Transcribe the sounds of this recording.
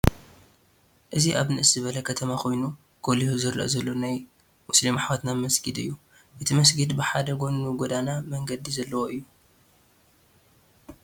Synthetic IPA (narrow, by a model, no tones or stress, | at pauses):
ʔɨziʔaβnɨʔɨszɨβɐlɐkʰɐt̪ʰɐmakʰo̞jnu | ɡ̥o̞lihuzɨɾɐ̰ʔzɐlːo̞naj | wʊslimaħwat̪namɐsɡɨd̪ɨ̰jːu | ʔɨt̪ʰimɐs̬ɡɨd̪bɨħad̪ɐɡo̞nːuɡod̪anamɐŋɡɐd̪izɐlːɐwoʔɨjːu